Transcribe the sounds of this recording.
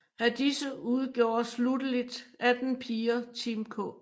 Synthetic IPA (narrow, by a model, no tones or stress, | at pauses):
æd̥isəuð̞ˠɡ̥jo̝̰ːɐslud̥əlid̥ʔæd̥n̩pʰiːɐt͡sʰimkʰɔ̰